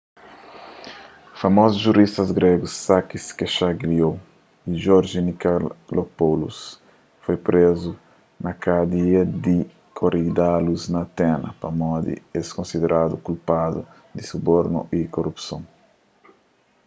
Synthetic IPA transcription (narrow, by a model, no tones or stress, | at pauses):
famɔzuzʒuɾist̪ɐzɡɾeɡusːakiskeʃaɡɾio | iʒɔɾʒinikalopolṵs | fojpɾezu | nɐkad̪iɐd̪i | kʰoɾid̪aluznɐt̪ɛnɐ̰pɐmɔd̪ḭeskõnsid̪eɾʔad̪ukulpad̪u | d̪isuboɾnṵʔikorupsõŋ